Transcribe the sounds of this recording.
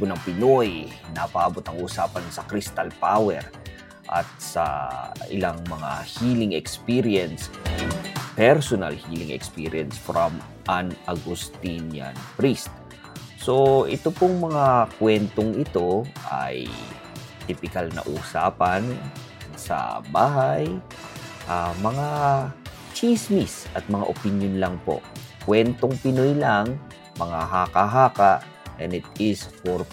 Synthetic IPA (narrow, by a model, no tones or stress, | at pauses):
ponɐŋpɪno̞jnapɐʔaːbot̪ɐŋʔusaːpɐnsɐkɾist̪ɐlpawɛɾ | ʔɐ̰t̪̚sɐ̰ʔɪ̰laŋmɐŋa̰hilɪŋɛkspiɾjɛns | pɛɾsonɐ̰lhiːlɪŋɛ̰kspiɹjɛnsfɾam | ʔanʔɐɡʊst̪inja̰npɾist̪̚ | soʔɪt̪opoŋmɐŋakwɛnt̪oŋɪt̪o̞ʔa̰j | t̪ɪpɪkalnɐ̰ʔuːsa̰ːpɐn | sɐ̰baːɦaj | ʔamɐŋa | t͡ʃismisʔɐt̪̚mɐŋa̰ʔopɪnjonlɐŋpo̰ʔkwɛnt̪oŋpɪnojlaŋ | mɐŋaɦakaɦaːkaʔ | ʔɛnɪt̪̚ɪsfoɹ